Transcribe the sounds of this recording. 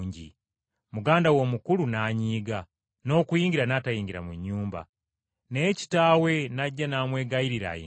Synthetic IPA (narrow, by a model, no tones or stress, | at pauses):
ɲɟḭ | muɡaːndawo̞mukulunaːɲiːɡa | no̞ːkujiːŋɡiɾanaːtajiːŋɡiɾa̰muɲːuːmba̰ | neːci̥taːwe̞naɟːanaːmwe̞ːɡajiɾiɾa̰jḛ